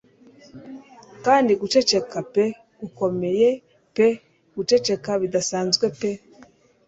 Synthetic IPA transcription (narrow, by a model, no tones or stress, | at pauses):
kaːndiɡut͡ʃe̞t͡ʃe̞kape̞ | uko̞me̞je | pe | ɡ̥ut͡ʃet͡ʃe̞kaβidasaːnzɡwe̞pe̞